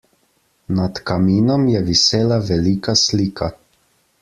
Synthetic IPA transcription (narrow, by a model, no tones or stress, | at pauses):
nat̪kamiːnɔmjɛʋiseːlaʋɛliːkasliːkʰa